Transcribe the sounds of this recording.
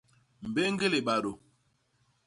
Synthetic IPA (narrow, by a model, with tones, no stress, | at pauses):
m̩˨be˦ŋ˦ɡe˦le˨ɓa˨ɾo˨